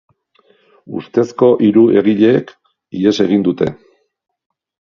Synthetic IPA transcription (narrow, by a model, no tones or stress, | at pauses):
ṵst̪e̞sko̞ʔiɾue̞ɣiʎe̞ːk | ie̞se̞ɣ̞ind̪ut̪e̞̰